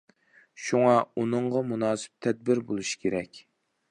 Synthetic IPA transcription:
ʃuŋɑunɨɴʁɑmunɑːsɪ̥p̚t̪ʰɛd̪̚bɪɾbolˠuʃi̥kʲʰeɾɛkʲ

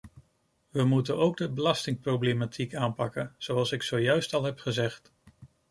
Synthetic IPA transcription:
ʋəmutənowɡ̚dəbəlɑstɪŋprowblematʰikaːnpɑkənz̥owɑlˠsɪksowjœɥstɑlˠɦɛpχəzɛχt

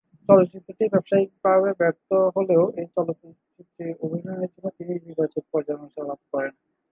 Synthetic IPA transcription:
t͡ɕɔloit̪ːɾoʈibɛpʃaibʱaβebɛɾt̪oɦoleoejt͡ɕɔlot̪ | t͡ɕit̪ːiobʱinɔnet̪inot̪inid͡ʑibat͡ɕit̪̚pɔɾd͡ʑanoʃalab̚kɔɾen

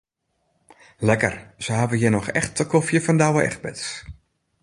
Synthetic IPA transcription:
lɛkərz̥əɦavəjɪnɔxɛ̰xtəkʰofjəfɔndawəʔɛ̰xt̚bɪ̰ts

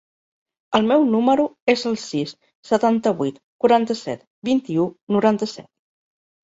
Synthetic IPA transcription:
əlˠmɛwnuməɾuezəlˠsis | sət̪ant̪əβ̞ut̪kuɾant̪əsɛ̰t̪ | bint̪iunuɾant̪əsɛ̰t̪̚

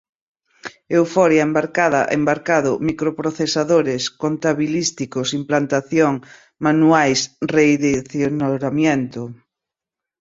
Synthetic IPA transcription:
ewfɔɾjaembaɾkaðɐʔḛmbaɾkaðʊmikɾopɾoθesaðoɾeskont̪aβilist̪ikʊsimplant̪aθjoŋ | manuajsreiðiθjonoɾamjent̪ʊ

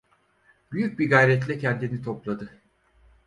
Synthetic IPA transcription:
b̥yjyc̚biɡajɾɛt̪lʲɛcʰɛnd̪init̪ʰoplˠad̪ɯ

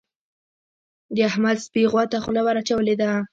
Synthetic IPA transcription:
d̪əahmad̪spiɣwat̪axʊlawaɾat͡ʃawəled̪a

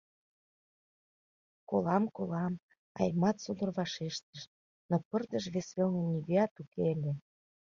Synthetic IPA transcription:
kolɑmkolɑm | ɑ̰jmɑt̪sud̪ə̆rβɑʃeʃt̪əʃ | nopərd̪ə̆ʃβesβelnə̆nʲiɡeɑt̪ukelʲe

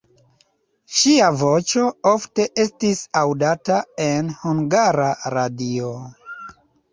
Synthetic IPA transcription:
ʃiavot͡ʃo̞o̞fte̞ʔe̞stisawdatae̞nhuŋɡaɾaɾadio

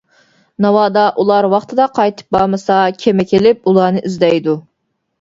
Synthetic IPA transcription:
nɑwɑːd̪ɑʔulˠɑɾwɑχt̪ʰɨd̪ɑqʰɑjt̪ʰɨ̥p̚bɑːmɨsɑkʲʰemɛkʲʰelɪp̚ulˠɑːnɨʔyzd̪ɛjd̪u

